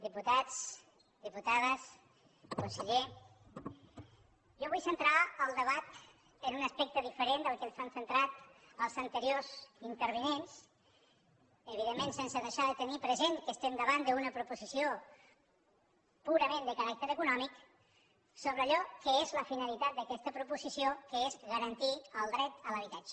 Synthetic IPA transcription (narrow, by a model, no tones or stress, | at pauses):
d̪iput̪at͡s | d̪iput̪aðəs | kunseʎe | ʒɔβujsənt̪ɾaəlˠd̪əβat̪ | ənunəspɛk̚t̪əðifəɾend̪əlˠkəlfaɱfənt̪ɾat̪əlˠzənt̪əɾiozint̪əɾβ̞inens | əβiðemːensensəðəʃaðət̪ənipɾəzenkəst̪end̪əβand̪əunəpɾupuzisio | puɾəmẽnd̪əkəɾak̚t̪əɾəkunɔmik | soβɾəːʎɔkəezləfinəlit̪at̪̚d̪əkɛst̪əpɾupuzisiokəezɣəɾənt̪iəlˠd̪ɾɛt̪ələβ̞it̪at͡ʃə̥